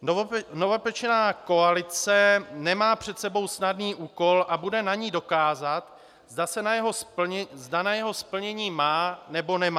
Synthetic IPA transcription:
novɛpɛt͡ʃɛnaːko̞alɪt͡sɛnɛmaːpr̝̥ɛt̪sɛbo̞wsnadniːʔuːko̞lʔabudɛnaɲiːdo̞kaːzat̪ | zdasɛnajɛɦospɲzdanajɛɦo̞spl̩ɲɛɲiːmaːnɛbo̞nɛmaː

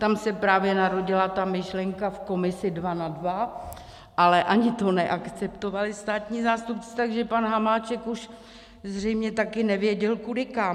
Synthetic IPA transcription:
t̪amsɛpɾaːvjɛnaɾo̞ɟɪlat̪amɪʃlɛŋkafko̞mɪsɪdvanadva | ʔalɛʔaɲɪt̪o̞nɛʔakt͡sɛpt̪o̞valɪst̪aːt̪ɲiːzaːst̪up̚t͡sɪ̥t̪aɡʒɛpanɦamaːt͡ʃɛkuʃ | zr̝ɛjmɲɛt̪akɪnɛvjɛɟɛlkudɪkam

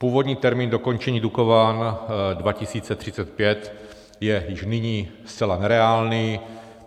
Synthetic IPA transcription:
puːvodɲiːt̪ɛɾmiːndo̞ko̞nt͡ʃɛɲiːdukovaːndvacɪsiːt͡sɛt̪r̥ɪt͡sɛt̪̚pjɛt̪ | jɛjɪʃnɪɲiːst͡sɛlanɛɾɛaːlniː

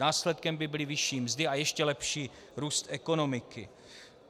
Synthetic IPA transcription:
aːslɛt̪̚kɛmbɪbɪlɪvɪʃiːmzdɪajɛʃcɛlɛpʃiː | ɾuːst̪ʔɛko̞no̞mɪkɪ̰

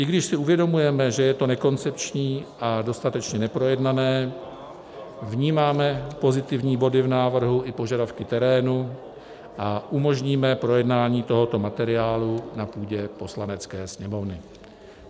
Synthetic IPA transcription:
ʔɪɡdɪʃsɪuvjɛdo̞mujɛmɛʒɛjɛt̪o̞nɛko̞nt͡sɛpt͡ʃɲiːʔado̞st̪at̪ɛt͡ʃɲɛnɛpɾo̞jɛdnanɛː | vɲiːmaːmɛpo̞zɪt̪ɪvɲiːbo̞dɪvnaːvr̩ɦuʔɪpo̞ʒadafkɪt̪ɛɾɛːnu | ʔaʔumo̞ʒɲiːmɛpɾo̞jɛdnaːɲiːt̪o̞ɦo̞t̪o̞mat̪ɛɾɪaːlunapuːɟɛpo̞slanɛt͡skɛːsɲɛmo̞vnɪ

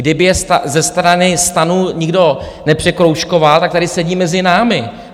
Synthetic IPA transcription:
dɪbɪjɛst̪azɛst̪ɾanɪst̪anuɲɪɡdo̞ | nɛpr̝̥ɛkɾowʃko̞valt̪akt̪adɪsɛɟiːmɛzɪnaːmɪ

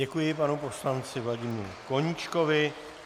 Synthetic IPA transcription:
ɛkujɪpanupo̞slant͡sɪvlaɟɪmiɾko̞ɲit͡ʃkovɪ

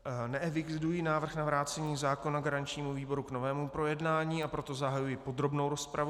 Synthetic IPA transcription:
nɛɛvɪkdujinaːvr̩xnavɾaːt͡sɛɲiːzaːko̞naɡaɾaɲt͡ʃɲiːmuviːbo̞ɾuɡno̞vɛːmupɾo̞jɛdnaːɲiːapɾo̞t̪o̞zaɦajujɪpo̞d̪ɾo̞bno̞wɾo̞spɾavu

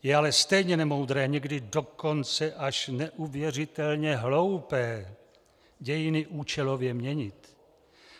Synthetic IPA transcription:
jɛalɛst̪ɛjɲɛnɛmo̞wd̪ɾɛːɲɛɡdɪdo̞ko̞nt͡sɛʔaʃnɛʔuvjɛr̝ɪt̪ɛlɲɛɦlo̞wpɛː | ɟɛjɪnɪʔuːt͡ʃɛlovjɛmɲɛɲɪt̪

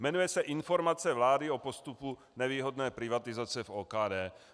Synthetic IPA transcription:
mɛnujɛsɛʔɪnfo̞ɾmat͡sɛvlaːdɪo̞po̞st̪upu | nɛviːɦo̞dnɛːpɾɪvat̪ɪzat͡sɛfoːkaːdɛː

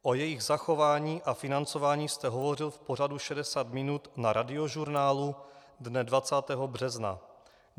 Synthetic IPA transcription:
ʔo̞jɛjɪɣzaxo̞vaːɲiːʔafɪnant͡sovaːɲiːst̪ɛɦo̞vo̞rɪlfpo̞r̝aduʃɛdɛsaːt̪mɪnut̪naɾadɪo̞ʒuɾnaːlu | dnɛdvat͡saːt̪ɛɦo̞br̝ɛzna̰

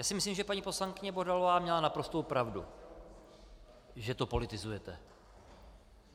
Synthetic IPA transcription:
jaːsɪmɪslimʒɛpaɲiːpo̞slaŋkɪɲɛbodalo̞vaːmɲɛlanapɾo̞st̪owpɾavdṵ | ʒɛt̪o̞po̞lɪt̪ɪzujɛt̪ɛ

